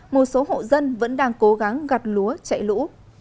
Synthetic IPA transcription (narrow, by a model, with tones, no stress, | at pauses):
mo˨˩t̚so˨˦ɦo̰˧˨zə˧nvə̰˧˥nɗaː˧ŋko˨˦ɣa˨˦ŋɣa˨˩p̚lu˨˦ət͡ɕa̰˧˨jlṵ˧˥